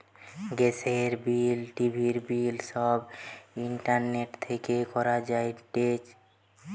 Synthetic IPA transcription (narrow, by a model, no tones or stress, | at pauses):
ɡeseɾbilʈibʱiɾbilʃɔbiɳʈaɾneʈt̪ʰekekɔɾad͡ʑaeʈet͡ʃ